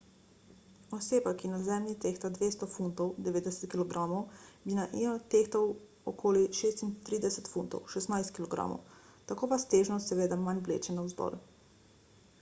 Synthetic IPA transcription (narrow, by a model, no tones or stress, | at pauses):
ɔseːbakinazɛmnit̪eːxt̪ad̪ʋeːst̪ɔfunt̪ɔwd̪ɛʋeːd̪ɛsɛ̥t̪kilɔɡɾaːmɔwbinaʔiat̪ext̪ɔw | ɔkʰoːliʃeːst̪int̪ɾiːd̪ɛsɛt̪funt̪ɔ̰wʃɛst̪najst̪kilɔɡɾa̰mɔ̰w | t̪akoːʋast̪eːʒnɔst̪sɛʋeːd̪amanblḛːt͡ʃɛnawzd̪ɔ̰ɾ